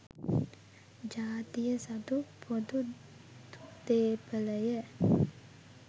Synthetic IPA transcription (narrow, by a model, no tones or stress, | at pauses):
d͡ʒaːt̪ijəsɐd̪upod̪u | t̪d̪eːpələjə